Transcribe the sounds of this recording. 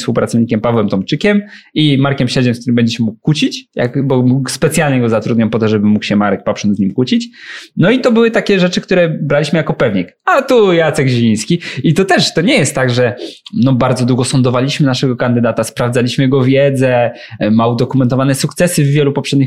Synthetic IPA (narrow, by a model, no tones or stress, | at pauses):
spuwpɾat̪sɔvɲikʲɛmpavwɛmt̪ɔmt͡ʂɘkʲɛmimaɾkʲɛmɕɛd͡ʑɛnk̚t̪uɾɘmbɛɲd͡ʑɛɕmmukːut͡ɕit͡ɕja̰kbɔmukspɛt̪sʲjalɲɛɡɔzat̪ɾud̪ɲampɔt̪ɔʐɛbɘmːukɕɛmaɾɛk̚papʂɔnzɲimkut͡ɕit͡ɕnɔit̪ɔbɘwɘt̪akʲɛʐɛt͡ʂɘkt̪uɾɛbɾalʲiɕmɘjakɔpɛvɲikat̪ujat̪sɛɡʑivʲij̃skʲiit̪ɔt̪ɛʂt̪ɔɲɛjɛst̪ːaɡʐɛnɔbaɾd̪zɔd̪wuɡɔsɔnd̪ɔvalʲiɕmɘnaʂɛɡɔkand̪ɘd̪at̪aspɾavd̪alʲiɕmɘjɛɡɔvʲjɛd̪zɛ | maud̪ɔkumɛnt̪ɔvanɛsukt̪sɛsɘvːʲjɛlupɔpʂɛd̪̚ʲɲix